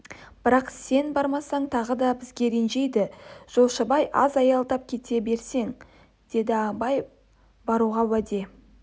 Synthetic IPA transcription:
b̥ɪɾɑqse̞nbɑɾmɑsɑɴt̪ʰɑʁəd̪ɑbɪzɡʲe̞ɾenʒe̞jd̪ɪʒ̥o̞lˠʃəbɑjʔɑ̰zɑjɑlˠd̪ɑp̚kʲʰe̞t̪e̞be̞ɾse̞ŋ | d̪̥e̞d̪ɪɑbɑj | bɑɾuʁɑwæd̪e̞

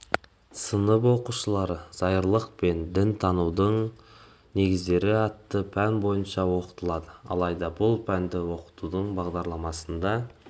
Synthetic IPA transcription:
sənəpwo̞quʃəlˠɑɾəz̥ɑjəɾlˠəq̚pe̞nd̪ɪnt̪ʰɑnuwd̪əɴ | ne̞ɡʲɪzd̪e̞ɾɪɑt̪ːəpʰænbo̞jənʃɑwo̞qə̥t̪əlˠɑd̪əɑ̰lˠɑjd̪ɑbʊlˠpʰænd̪ɪwo̞qə̥t̪ud̪əɴbɑʁd̪ɑɾlˠɑmɑsənd̪ɑ

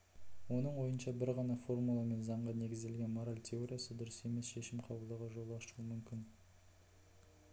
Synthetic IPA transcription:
wo̞nəɴwo̞jənʃɑbɪɾʁɑnɑfo̞rmulˠɑme̞nzɑɴʁɑne̞ɡʲɪzd̪e̞lɡʲe̞nmoɾalʲt̪ʲʰe̞o̞ɾʲijasəd̪ʊɾəse̞me̞sʃe̞ʃɪmqʰɑbəlˠd̪ɑʁɑʒo̞lˠɑʃuəmʏmkʲɪn

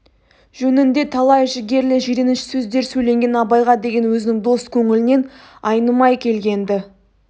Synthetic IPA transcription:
ʒ̥ɵnɪnd̪e̞t̪ʰɑlˠɑjʒɪɡʲe̞ɾlɪʒeɾenɪʃɪ̥sɵzd̪e̞ɾsɵjle̞ŋɡʲe̞nɑbɑjʁɑd̪e̞ɡʲe̞nwɵzɪnɪŋd̪o̞st̪kʲʰɵŋɪlɪne̞nɑjnəmɑjkʲʰe̞lɡʲe̞nd̪ɪ

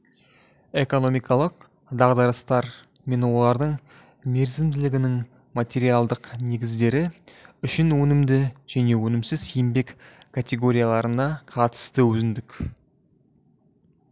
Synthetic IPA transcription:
e̞ko̞no̞mijkʰɑlˠəq | d̪ɑʁd̪ɑɾəst̪ɑɾ | me̞nwo̞lˠɑɾd̪əɴ | me̞ɾzɪmd̪ɪlɪɡʲɪnɪŋ | mat̪ʲe̞ɾijalˠd̪əqne̞ɡʲɪzd̪e̞ɾɪʏʃɪnwɵnɪmd̪ɪʒ̥æne̞wɵnɪmsɪz̥sijɪmbe̞k | kʰat̪ʲe̞ɡo̞ɾijalˠɑɾənɑqʰɑt̪ə̥st̪əwɵzɪnd̪ɪkʲ

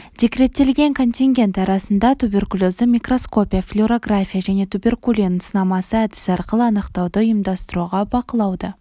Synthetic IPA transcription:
d̪ʲe̞kʲɾe̞t̪ːe̞lɡʲe̞ŋkʰo̞nt̪ʲiŋɡʲe̞nt̪ɑɾɑsənd̪ɑt̪ʰube̞rkulʲˠo̞zd̪əmʲijkro̞sko̞pʲijaflʲuɾo̞ɡrafʲijaʒæne̞t̪ʰubʲe̞rkulʲˠinəsənɑmɑsəæd̪ɪ̥sɑɾqəlˠəɑnəqt̪ɑwd̪əʊjəmd̪ɑst̪əɾuʁɑbɑqəlˠɑwd̪ə

